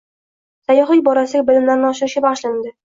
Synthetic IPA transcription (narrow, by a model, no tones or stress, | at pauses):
sajɒχijbɒɾasɪɡʲabɪlɪmlaɾnɪɒʃɪɾɪʃɪbaʁʃland̪ɪ